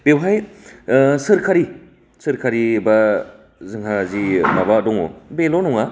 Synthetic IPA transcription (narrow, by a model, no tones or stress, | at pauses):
b̥ewɦaj | sɯɾkʰaɾi | sɯɾkʰaɾibɐ | zɯŋɦazimaβaːdɔŋo̰belonuŋa